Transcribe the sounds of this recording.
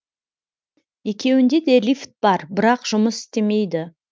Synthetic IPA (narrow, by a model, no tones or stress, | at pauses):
je̞kʲe̞wɪnd̪e̞d̪e̞lʲift̪̚b̥ɑɾbɪɾɑqʒ̥ʊməsɪ̥st̪e̞me̞jd̪ɪ